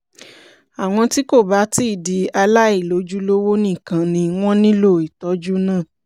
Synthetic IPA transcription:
a˨w̃ɔ̃˧ti˦ko˦˨ba˨˦ti˦˨di˨˦a˧la˦i˦˨lo˨˦d͡ʒu˦lo˦wo˦nĩ˦˨kã˨nĩ˧w̃ɔ̃˦nĩ˦lo˦˨i˨tɔ˨˦d͡ʒu˦nãː˦˨

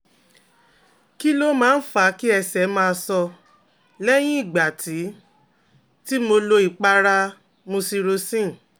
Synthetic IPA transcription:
ki˦lo˦mãː˨˦n̩˦fa˨˦ki˦ɛ˧sɛ˨˦mãː˧sɔ˧ | lɛ˦j̃ĩ˦i˦˨ɡ͡ba˨tʰi˨˦ | ti˦mo˧lo˧i˨k͡pa˧ɾa˧ | mõ˧si˧ɾo˧sĩ˦˨

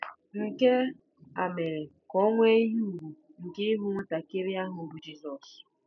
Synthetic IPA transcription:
ŋ̩˨ke˦ | a˨me˨ɾe˨ | kɔ˦ŋʷ˦e˦ɦu˦˨ɡu˨ | ŋ̩˨kɪ˦ɦu˦ŋʷʊ˦ta˨ke˦ɾi˦a˦ɦʊ˨bʊ˨d͡ʒi˦sɔ˨s

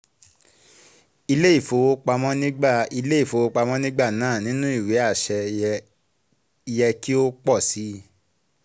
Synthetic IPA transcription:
i˧le˦i˦˨fo˨˧˦wo˦k͡pa˧mɔ̃˦nĩ˦ɡ͡ba˦˨i˧le˦i˦˨fo˧wo˧˦k͡pa˧mɔ̃˦nĩ˦ɡ͡ba˦˨nãː˦˨nĩ˨˦nũ˦i˦˨we˨˦a˦˨ʃɛ˧ | jɛ˧ki˦o˦k͡pɔ˦˨si˨˦

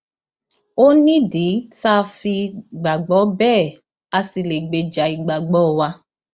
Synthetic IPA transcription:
o˦nĩ˦di˨˦ta˧˦fi˧ɡ͡ba˨ɡ͡bɔ˨˦bɛː˦˨ | a˧si˨le˨ɡ͡be˨d͡ʒa˨i˨ɡ͡ba˨ɡ͡bɔ˨˦˨wa˧˦

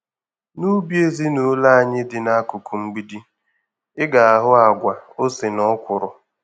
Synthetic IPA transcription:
nu˦bje˦zi˦nu˨˦la˦a˦˨ɲɪ˦dɪ˨na˦kʊ˨ku˨ŋ͡m̩˦ɡ͡bi˦di˦ | ɪ˦ɡa˨a˨ɦʊ˦a˨ɡʷa˨o˦sɪ˨nɔ˦kʷʊ˨ɾʊ˨

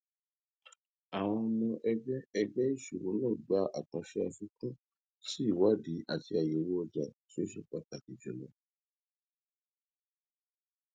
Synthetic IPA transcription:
a˨w̃ɔ̃˧ɔ˧mɔ̃˧ʔɛ˧ɡ͡bɛ˦ɛ˧ɡ͡bɛ˦i˦˨ʃu˨ɾũ˨˦lɔ̃˦˨ɡ͡ba˨˦ʔa˦˨kã˧˦ʃɛ˦a˧ʃu˦kũ˦ | si˦˨wa˦di˨˦ʔa˦˨ti˧a˨jo˨ɾu˦ɔ˧d͡ʒa˨ti˦o˦ʃu˦˨k͡pa˨ta˨ki˨d͡ʒɛ̰˨lɔ˨˦

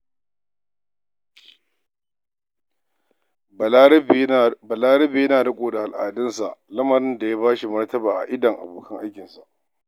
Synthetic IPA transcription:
bɐ˨laː˦ɾɐ˦be˨jɐ˦naː˨dɐ˦kʷʼoː˨da˨ha˨lʔa̰ː˨dɪ˦nsa˨ʔlɐ˦mɐ˨ɾɪ˦nda˨jaː˦βaː˦ʃi˨mɐ˦rtɐ˦baː˨ʔa̰˨ʔɪ˦dɐ˨ŋʔa̰˨boː˨kɐ˦ŋʔa˦jkʲɪ˨nsa˨ʔ

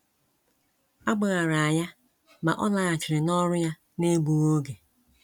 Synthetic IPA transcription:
a˦ɡ͡ba˨ɣa˨ɾa˨a˨ɲa˦ | ma̰˨ʔɔ˦la˦ɣa˨t͡ʃɪ˨ɾɪ˨nɔ˦ɾʊ˦ja˦ | ne˦bu˨ɣo˦ɡe˨

